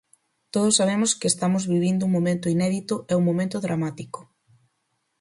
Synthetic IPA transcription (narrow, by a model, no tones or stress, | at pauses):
t̪oð̞osːaβ̞emʊskɪest̪amʊzβiβind̪ʊuŋmomẽnt̪ʊinɛðit̪ʊʔɛuŋmːõmẽnt̪ʊðɾʔamat̪iko̥